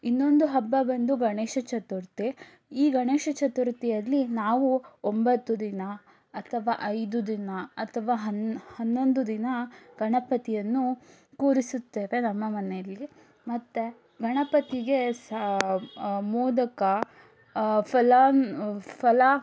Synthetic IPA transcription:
inːo̞nd̪uɦɐbːɐbɐnd̪uɡɐɳeːʂɐt͡ʃɐt̪uɾt̪i | iːɡɐɳeːʃɐt͡ʃɐt̪uɾt̪ijɐlːinaːʋuombɐt̪ːud̪inɐ | ɐt̪ʰɐʋaːʔɐjd̪ud̪inɐɐt̪ʰɐʋaːɦɐnhɐnːo̞nd̪ud̪inɐɡ̥ɐɳɐpɐt̪ijɐnːukuːɾisut̪ːeːʋe̞nɐmːɐmɐnejɐlːi | mɐt̪ːe | ɡʱɐɳɐpɐt̪iɡe̞s | muːdɐkɐ | pʰɐla | pʰɐla

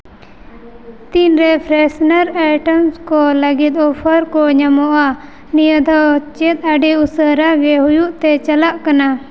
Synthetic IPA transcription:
t̪inɾɛpʰɾɛsnaɾajʈəmskɔləɡit̪̚ɔpʰəɾkɔɲamɔʔa | nijəd̪ʱɔt͡ʃɛt̪̚aɖiusəɾaɡɛɦujuʔt̪ɛt͡ʃalaʔkana

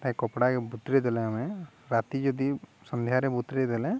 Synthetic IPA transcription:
t̪aɛ̃kɔpɽakɛbut̪ɾɛd̪ɛlɛamɛ | ɾat̪id͡ʒɔd̪isɔ̃nd̪ʱjaɾɛbut̪ɾɛd̪ɛlɛ

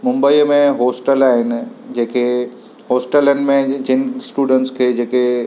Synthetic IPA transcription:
mʊ̃mbəiːmẽɦoːsʈəlaːɦɪnɪ̆d͡ʑeːkʰe | ɦoːsʈələnmẽd͡ʑɪnɪ̆sʈuːɖə̃ɳʈskʰeːd͡ʑeːke

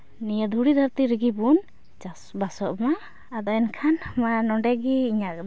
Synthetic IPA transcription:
nijəd̪ʱuɽid̪ʱaɾt̪iɾɡibun | a | basɔʔmaː | d̪ɔɛnkʰanmanɔɳɖɛɡiiɲakd̪

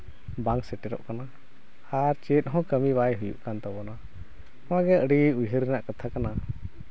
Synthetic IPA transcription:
baŋksɛʈɛɾɔ̰ʔkana | aɾt͡ʃɛt̪̚ˀɦɔ̃kəmibajɦujṵʔkant̪ɔbɔna | ɔ̃waɡɛʔəɽiujɦəɾɛnaʔkat̪ʰakana

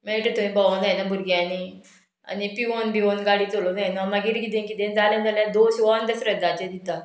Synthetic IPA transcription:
meʈət̪uĩbaʋonajnabʱuɾɡjani | a̰nipiʋonbiʋonɡaɽiːt̪olonajnamaɡiɾɡid̪ẽnkid̪ẽnd͡zalẽnd͡zaljad̪oɕʋand̪əsɾəd̪at͡ɕed̪id̪a

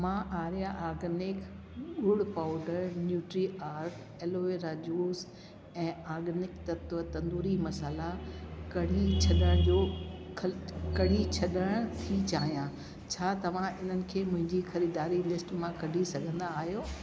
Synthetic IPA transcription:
mãːʔaːɾjaʔaːɡnɪk | ɠʊɽpaːʊɖəɾnjuːʈɾiʔaːɾʈ | eːloːeɾaːd͡ʑuːs | ɛ̃ːaːɡnɪkt̪ɐt̪ʋət̪ɐ̃nd̪uːɾimɐsəlakɐɽ̤it͡ɕʰɐɗəɽ̃d͡ʑoːkʰkɐɽ̤it͡ɕʰɐɗəɽ̃t̪ʰit͡ɕaːɦijã | t͡ɕʰaːt̪ɐʋ̤ãʔɪn̤ənɪ̆kʰeːmʊ̃ɦɪ̃ɲd͡ʑixɐɾiːd̪aːɾilɪsʈmãkɐɖʱisɐɡʱə̃nd̪aːɦijoː

